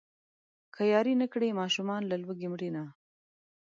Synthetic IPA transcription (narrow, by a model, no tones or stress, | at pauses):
kʰajɑɾinəkɽemɑʃumɑnlalwəɡemɽina